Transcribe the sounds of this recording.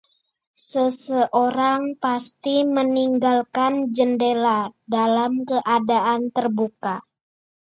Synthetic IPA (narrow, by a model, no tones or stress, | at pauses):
səsəʔoɾaŋpast̪iməniŋɡalkand͡ʒəndeladalamkəʔadaʔant̪ərbuka